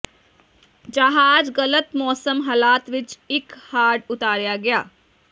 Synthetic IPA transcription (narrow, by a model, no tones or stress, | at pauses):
d͡ʒɐɦaːd͡ʒɣɐlət̪mɔːsəmɦɐlaːt̪ʋɪt͡ʃɪkhaːɖʊt̪aːɾjaɡɐjaː